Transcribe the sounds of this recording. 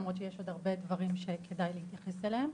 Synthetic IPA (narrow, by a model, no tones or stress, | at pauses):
mʁot̪t͡ʃejeʃo̞d̪aʁbe̞d̪vaʁimʃe̞kʰe̞dajlehit̪jaχe̞selehem